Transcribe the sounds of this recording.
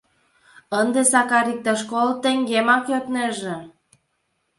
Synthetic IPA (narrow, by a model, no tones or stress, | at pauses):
ənd̪esɑkɑɾik̚t̪eʃkolt̪eŋɡemɑkjøt̪neʒĕ